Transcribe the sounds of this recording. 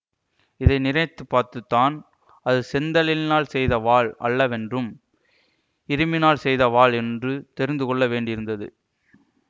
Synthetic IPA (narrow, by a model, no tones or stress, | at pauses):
ɪðɐɪnɪɾɐt̪ːɯpːaːɾt̪ɯt̪ːaːn | ɐðɯsɛnd̪ɐlɪnaːlsɛjðɐʋaːɭʔɐ̰ɭːɐʋɛndrɯm | ɪɾɯmɪnaːlsɛjðɐʋaːɭɛndrɯt̪ɛɾɪnd̪ɯkɔɭːɐʋeːɳɖɪɪɾɯnd̪ɐðɯ̰